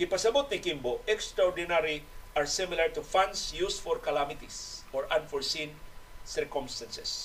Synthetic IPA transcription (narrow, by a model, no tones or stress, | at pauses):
kɪpɐsɐbʊt̪̚nɪkimboʔɛkst̪ɾaɔɹd̪ɪnaɾiʔaɹsɪmɪlaɹt̪ʊfãnd̪sjusfɔɾkalamɪt̪isɔɹãnfɔɹsĩnsɛɹkɔmst̪ansɛs